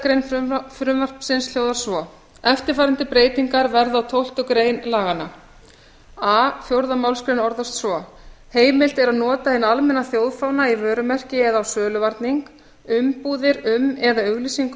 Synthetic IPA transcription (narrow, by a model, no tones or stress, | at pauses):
kɾejnfɾʏmvar̥psɪnsl̥jowðaɾ̥svɔ | ɛft̪ɪɾ̥faːɾɪnt̪ɪpɾeːjt̪iŋkaɾvɛɾðawt̪ʰowl̥t̪ʏkɾeːjnlaːɣana | aːfjowɾðamawlskɾɪjnɔɾðɔst̪svɔheːjmɪl̥t̪ɛɾaðnɔːt̪ahɪnalmɛnaθjowðfawnaivœːɾʏmɛr̥cɪɛðaːwsœːlʏvaɾt̪niŋk | ʏmpuːðɪɾʏmɛðaʏɣlisiŋk